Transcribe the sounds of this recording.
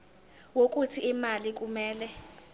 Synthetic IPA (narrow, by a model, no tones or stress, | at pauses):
wok̬ʼutʰiimalik̬ʼumɛːlɛ